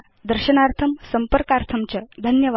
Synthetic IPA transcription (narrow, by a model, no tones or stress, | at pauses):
d̪əɾɕənaɾt̪ʰəmsəmpəɾkaɾt̪ʰəmt͡ɕad̪ʱənjəʋ